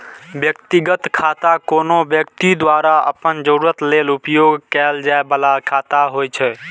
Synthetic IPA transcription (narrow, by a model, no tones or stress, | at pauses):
bjəkt̪iɡət̪kʰat̪akoːnobjək̚t̪id̪waɾaə̰pənd͡ʒəɾuɾət̪lelupjoɡkɛld͡ʒaebəlakʰat̪aɦojt͡ʃʰɛ